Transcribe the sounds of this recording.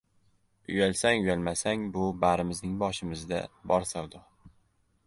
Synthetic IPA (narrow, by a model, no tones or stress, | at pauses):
ʊjalsaŋʊjalmasaŋbʊbaɾɪmɪznɪŋbɒʃɪmɪzd̪a̰bɒɾsawd̪ʊ